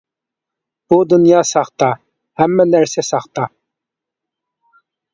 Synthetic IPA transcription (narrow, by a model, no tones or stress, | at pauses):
b̥ud̪unjɑːsɑχt̪ɑ | hæmːɛnæɾsɛsɑχt̪ɑ